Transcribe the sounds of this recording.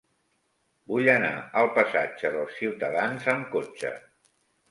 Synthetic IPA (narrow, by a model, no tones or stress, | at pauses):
buʎəna̰əlˠpəsad͡ʒəðəlˠsːiwt̪əðanzəmkot͡ʃə̰